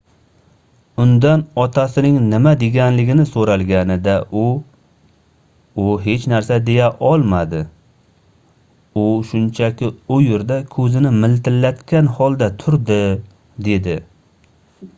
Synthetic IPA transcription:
ʊnd̪anɒt̪ʰasɪnɪŋnɪmad̪e̞ɡʲanlɪɡʲɪnɪsoɾalɡʲanɪd̪aʔʊ | ʊɦe̞t͡ʃnaɾsad̪e̞jaʔɒlˠmad̪ɪ | ʊʃʊnt͡ʃʰakʲɪʊjʊɾd̪akʰɵzɪnɪmɪlt̪ɪlːat̪kʲanhɒlˠd̪at̪ʰʊɾd̪ɪ | d̪e̞d̪ɪ

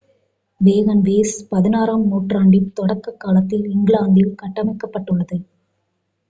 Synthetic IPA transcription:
ʋeːɣɐnʋeːspɐðɪnaːɾaːmnuːʈraːɳɖjɪmt̪ɔɽɐkːɐkːaːlɐt̪ːɪlɪŋɡɭaːnd̪ɪlkɐʈːɐmɐɪkːɐpːɐʈːɯɭːɐðɯ

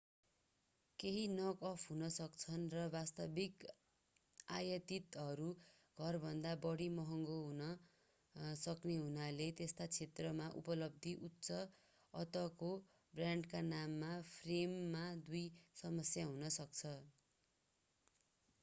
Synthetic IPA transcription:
keɦinʌkʌpʰɦunʌsʌkt͡sʰʌnrʌbast̪ʌbik | ajʌt̪it̪ɦʌɾu | ɡ̥ʱʌrbʱʌnd̪abʌɽimʌɦʌŋɡoɦunʌ | sʌkneɦunalet̪est̪at͡sʰet̪rʌmaʔṵpʌlʌb̚d̪ʱiʔutːsʌ | ʌt̪ʌko | braɳɖkanamːapʰremːad̪ujsʌmʌsjaɦunʌsʌk̚t͡sʰʌ

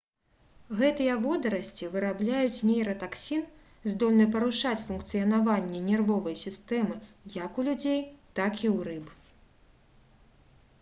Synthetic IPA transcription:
ɣɛt̪ɨjɐvɔd̪ɐɾɐsʲt͡sʲivɨɾablʲajut͡sʲnʲɛjɾɐt̪aksʲin | zd̪ɔlʲnɨp̬ɐɾuʂat͡sʲfunkt̪sɨjɐnavanʲːɛnʲɛrvɔvɐjsʲist̪ɛmɨ | jakulʲud͡zʲejt̪akiwɾɨp

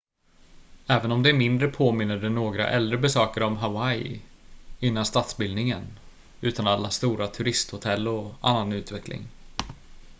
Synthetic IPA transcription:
ɛːvənɔmd̪ɛæɾmɪnd̪ɾəpʰoːmɪnːəɖɛnoːɡɾa̰ʔɛld̪ɾəbɛsøːkəɾɔmɦavaɪ | ɪnːanst̪at̪sbɪld̪nɪŋən | ʉ̟ːt̪analːast̪uːɾat̪ʰɵɾɪst̪hʊt̪ʰɛlːɔa̰nːanʉ̟ːt̪vɛklɪ̰ŋ

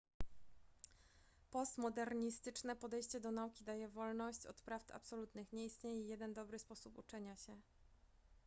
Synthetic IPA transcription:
pɔst̪mɔd̪ɛɾɲist̪ɘt͡ʂnɛpɔd̪ɛjɕt͡ɕɛd̪ɔnaukʲid̪ajɛvɔlnɔɕt͡ɕɔ̰t̪pɾaft̪a̰psɔlut̪nɘxɲɛist̪ɲejɛjɛd̪ɛnd̪ɔbɾɘspɔsuput͡ʂɛɲaɕɛ

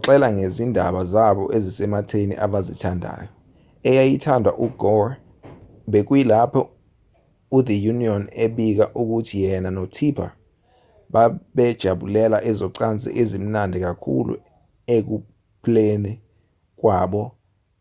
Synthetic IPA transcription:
ǁɛlaŋezindʱaɓazaɓɔ̰ʔezisɛmatʰenḭʔaɓazitʰandʱa̰ːjɔ | ɛjajitʰandʱwa̰ʔuɡ̥ɔr | ɓek̬wilapʰɔ | ud̪ijuniɔneɓik̬aʔuk̬utʰijɛnanotʰipʰa̰ | ɓaɓɛd̥ʒ̥ʱaɓulɛlaʔɛzɔǀant͡sʼḭʔezim̩nandʱik̬akʰṵlṵ | ek̬u | pʰleni | k̬waːɓɔ

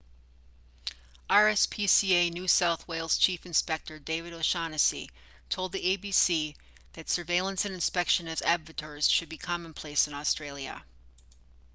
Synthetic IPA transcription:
ʔɑɹɛspʰisieɪnʉsaʊθweɪlˠz̥t͡ʃʰifɨ̃nspɛk̚tə˞deɪvɨɾoʃɑnɨsḭ | tʰoʊlˠd̪̚ðieɪbisi | ðɨtsə˞veɪlˠə̃nsɨ̃nɨ̃nspɛkʃɨ̃nɨzæbvɨtə˞z̥ʃɨd̚bikʰɑmə̃npʰl̥eɪsɨ̃nɔstɹ̥eɪlˠjə̰

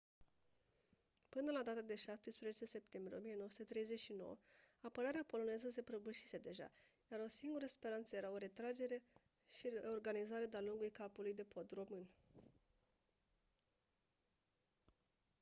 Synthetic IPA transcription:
pɨnəlad̪at̪əd̪e̞ʃap̚t̪espɾezet͡ʃe̞se̞p̚t̪e̞mbɾieomijeno̞oəsut̪et̪ɾe̞jze̞ʃino̞̰wə̰apəɾaɾeapo̞lo̞ne̞zəs̬e̞pɾəbuʃise̞d̪e̞ʒa̰ | jaɾo̞siŋɡuɾəspe̞ɾant̪səje̞ɾao̞ɾe̞t̪ɾad͡ʒe̞ɾe̞ | ʃieo̞rɡanizaɾed̪ealuŋɡujkapulujd̪e̞po̞d̪ro̞mɨn

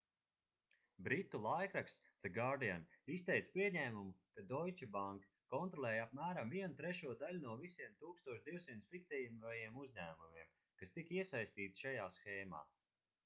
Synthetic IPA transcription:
bɾit̪ːulˠajkɾaks | ðɨɡaɾd̪ianist̪ɛjt̪spʲiɛɲæːmumukad̪ɔjt͡ʃabaŋk | kɔnt̪ɾɔlˠɛːjap̚mæːɾamviɛnut̪ɾɛʃuɔd̪alʲunuɔvisiɛmt̪uːkst̪uɔʃd̪iwsint̪sfik̚t̪ɛjmvajiɛmuzʲɲæːmumiɛm | kast̪ikiɛsajsʲt̪iːt̪i̥ʃajaːsxɛːma̰ː

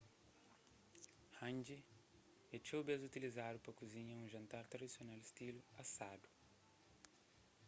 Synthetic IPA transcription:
hãnd͡ʒi | et͡ʃobɛzut̪ilizad̪ʊpɾɐkuzĩɲɐũʒɐ̃nt̪aɾt̪ɾɐd̪isjonalɪst̪iluasad̪u̥

